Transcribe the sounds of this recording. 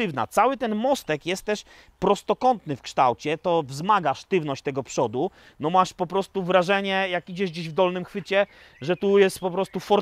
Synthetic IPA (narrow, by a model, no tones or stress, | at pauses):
ɘvna̰t̪sawɘt̪ɛnmɔst̪ɛkjɛst̪̚t̪ːɛʂ | pɾɔst̪ɔkɔnt̪nɘfkʂt̪awt͡ɕɛt̪ɔvzmaɡaʂt̪ɘvnɔɕt͡ɕt̪ɛɡɔpʂɔd̪u | nɔmaʂpɔpɾɔst̪uvɾaʐɛɲɛjakid͡ʑɛʐd͡ʑeʑvd̪ɔlnɘmxfɘt͡ɕɛ | ʐɛt̪ujɛst̪̚pɔpɾɔst̪ufɔɾ